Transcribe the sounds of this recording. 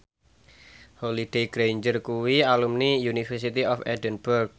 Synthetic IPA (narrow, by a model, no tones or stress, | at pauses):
holid̥ejɡɾejɲd͡ʒərkuwialumnijunifərsit̪iɔfɛ̰dənb̥ərk̚